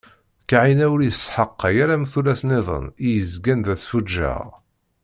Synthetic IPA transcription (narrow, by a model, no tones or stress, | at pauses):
kaʕinæwɾjsħəqːæjæɾæmθulæsneðˤə̰nijəzɡænðæsfud͡ʒːæ̰ʁ